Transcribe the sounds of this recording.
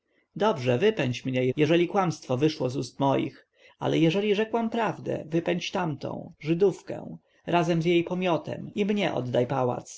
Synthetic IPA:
d̪ɔbʐɛvɘpɛɲt͡ɕmɲɛjɛʐɛlʲikwamst̪fɔvɘʂwɔzust̪mɔjḭx | a̰lɛjɛʐɛlʲiʐɛkwampɾavd̪ɛ̰vɘpɛɲt͡ɕt̪amt̪ɔ̰̃w̃ʐɘd̪ufkɛ̰̃w̃ | ɾʔazɛmzjejpɔmʲjɔt̪ɛ̰mimɲɛʔɔ̰d̪ːajpawa̰t̪s

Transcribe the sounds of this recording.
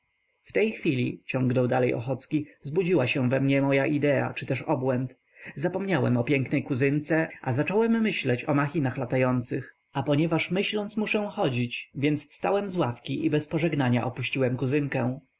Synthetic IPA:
ft̪ɛjxfʲilʲit͡ɕɔ̃ŋɡnɔwd̪alɛjɔ̰xɔt̪skʲizbud͡ʑiwaɕɛ̃vɛmɲɛmɔjaʔid̪ɛa̰t͡ʂɘt̪ɛʂɔbwɛnt̪ | zapɔmɲawɛ̰mɔpʲjɛŋknɛjkuzɘnt̪sɛʔazat͡ʂɔwɛmːɘɕlɛt͡ɕɔmaxʲinaxlat̪ajɔnt̪sɘx | apɔɲɛvaʂmɘɕlɔnt̪smuʂɛ̃xɔd͡ʑit͡ɕvʲjɛnt̪sfst̪awɛmzwafkʲiʔibɛspɔʐɛɡnaɲa̰ʔɔpuɕt͡ɕiwɛmkuzɘŋkɛ̃w̃

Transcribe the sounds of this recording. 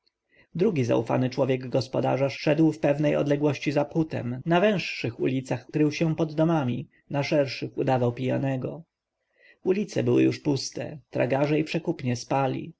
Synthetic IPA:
d̪ɾuɡʲiza̰ufa̰nɘt͡ʂwɔvʲjɛɡɡɔspɔd̪a̰ʐaʂɛd̪wfpɛvnɛjɔ̰d̪lɛɡwɔɕt͡ɕizaput̪ɛ̰mnavɛ̃ʂʂɘxṵlʲit̪saxkɾɘwɕɛ̃pɔd̪ːɔmamʲi | naʂɛɾʂɘxud̪avawpʲija̰nɛɡɔ | ulʲit̪sɛbɘwɘ̰juʂpust̪ɛ̰t̪ɾa̰ɡaʐɛipʂɛkupɲɛspalʲḭ

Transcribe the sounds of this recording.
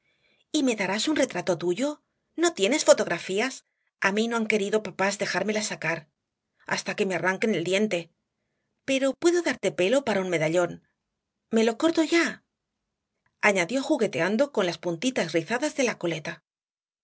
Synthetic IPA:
ime̞ðaɾasunre̞t̪ɾat̪o̞t̪uʝo̞ | no̞t̪je̞ne̞sfo̞t̪o̞ɣɾafias | amino̞aŋke̞ɾiðo̞papazðe̞xaɾme̞lasakaɾ | a̰st̪ake̞me̞araŋke̞ne̞ld̪je̞nt̪e̞ | pe̞ɾo̞pwe̞ðoðaɾt̪e̞pe̞lo̞paɾaunme̞ðaʎo̞n | me̞lo̞ko̞ɾt̪o̞ʝa | aɲaðjo̞xuɣe̞t̪e̞and̪o̞ko̞nlaspunt̪it̪azriθaðazðe̞lako̞let̪a

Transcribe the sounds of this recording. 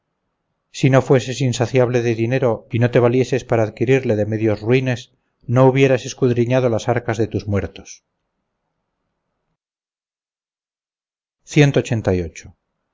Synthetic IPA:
sino̞fwe̞se̞sinsaθjaβle̞ðe̞ðine̞ɾo̞ino̞t̪e̞β̞alje̞se̞spaɾaːðkiɾiɾle̞ðe̞me̞ðjo̞zruine̞s | no̞uβje̞ɾase̞skuðɾiɲað̞o̞lasaɾkazðe̞t̪uzmwe̞ɾt̪o̥s | θje̞nt̪oːt͡ʃe̞nt̪ajo̞t͡ʃo̥

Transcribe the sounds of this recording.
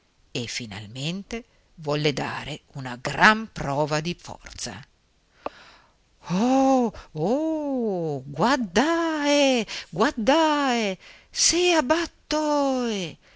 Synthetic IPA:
efina̰lment̪e | vɔlːed̪a̰ːɾeunaɡɾampɾɔːvad̪ifɔ̰rt̪sa̰ | o | o | ɡward̪aeɡward̪aːe | seabat̪ːɔe

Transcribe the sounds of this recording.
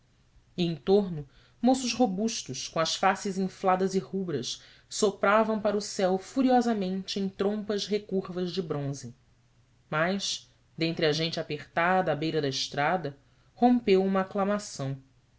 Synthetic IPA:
iẽj̃t̪oɾnʊ | mosʊʃɦobuʃt̪ʊʃkõɐsfasɪzĩflad̪ɐzɪhubɾɐs | sopɾavɐ̃w̃paɾʊsɛwfuɾiɔzɐmẽnt͡ʃɪẽj̃t̪ɾõmpɐʃɦekuɾvɐzd͡ʒɪbɾõzɪ | majʃ | d̪ẽnt̪ɾɪɐʒẽnt͡ʃɪapeχt̪ad̪ɐːbejɾɐd̪ɐɪʃt̪ɾad̪ɐ | hõmpewũmɐːklamasɐ̃w̃

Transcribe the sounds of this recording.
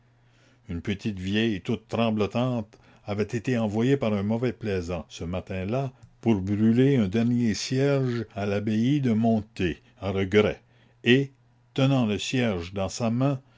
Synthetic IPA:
ynpət̪it̪vjɛjt̪ut̪ːɾɑ̃blɔt̪ɑ̃ːt̪ | avɛt̪et̪eɑ̃vwajepaʁœ̃mɔvɛplɛzɑ̃səmat̪ɛ̃lapuʁbʁyleɛ̃d̪ɛʁnjesjɛʁʒalabeid̪əmɔ̃t̪e | aʁəɡʁɛ | e | t̪ənɑ̃ləsjɛʁʒd̪ɑ̃samɛ̃

